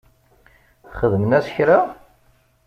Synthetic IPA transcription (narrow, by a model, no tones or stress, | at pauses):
χəðmənæsə̥çɾa